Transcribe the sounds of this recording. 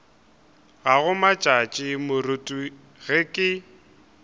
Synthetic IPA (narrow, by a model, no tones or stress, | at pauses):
ɣaɣʊmat͡ʃʼat͡ʃʼɪmʊrʊtʼu | ɣɪkʼɪ